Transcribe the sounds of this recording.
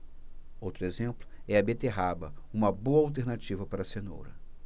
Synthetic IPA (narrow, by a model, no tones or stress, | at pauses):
owt̪ɾʊezẽmplʊɛɐbet̪eɦabɐũmɐboɐawt̪eɾnat͡ʃivɐpaɾɐseno̰wɾɐ̰